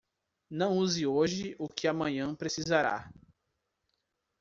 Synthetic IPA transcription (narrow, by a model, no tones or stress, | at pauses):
nɐ̃w̃uzɪoʒɪʔʊkɪamɐ̃ɲɐ̃pɾesizaɾa̰